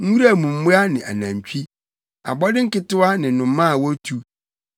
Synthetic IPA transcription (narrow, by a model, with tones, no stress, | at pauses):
ŋ̩˦u˦ɾa˨mũ˨m̩˦mʊ˦a˦nɪ̃˨ʔa̰˨nã˨m˨t͡ɕᶣʰi˦ | a̰˨bɔ˦dɪ̃˦ŋ̩˦kɪ˦tʊ˦a˦nɪ̃˨˦nʊ̃˨˦mːã˦˨wɔ˦tʰu˦